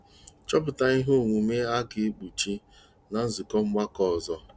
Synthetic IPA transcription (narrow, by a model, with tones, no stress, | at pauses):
t͡ʃɔ˦p̬ʊ˨ta˨i˦ɦo˦˨ŋʷu˨me˦a˦ke˨e˦k͡pu˨t͡ʃi˦ | na˨n̩˦zʊ˨kɔ˦m̩˦ma˦kɔ˦˨zɔ˦